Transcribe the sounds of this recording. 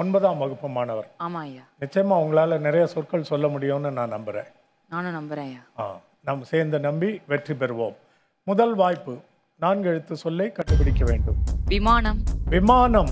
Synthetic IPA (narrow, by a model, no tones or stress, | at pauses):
ɔnbɐðãːmɐɣɯpːɯmaːnɐʋɐɾaːmaːjaːnɪt͡ʃːɐjɐmaːʊŋɡɐɭaːlɐnɪɾɐjɐsɔrkɐɭsɔlːɐmʊɽɪjoːnːɯnãːnɐmbɯɾḛ̃ː | naːnʊ̃nɐmbɐɾẽːjaːa̰ː | namːseːɾnd̪ɐnɐmbiʋɛʈrip̬ɛɾɯʋo̰ːmː | ʊðɐlʋaːjpːɯ | naːnɡɛɻɯt̪ːɯsɔlːɐɪkɐɳɖɯpɪɽɪkːɐʋeːɳɖɯmʋɪmaːnɐmʋɪmaːɳɐm